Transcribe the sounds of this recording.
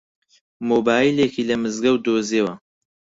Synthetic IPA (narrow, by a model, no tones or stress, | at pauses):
moːbaːjilekiːlɐmɨzɡɐwd̪oːzeːwɐ